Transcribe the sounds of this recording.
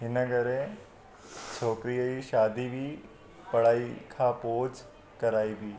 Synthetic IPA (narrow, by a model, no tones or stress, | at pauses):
ɦɪnəɡəɾẽ | t͡ʃʰoːkɾijəiʃaːd̪ibʱiː | pɐɽ̤aːikʰapoːd͡ʒ | kɐɾaːibʱiː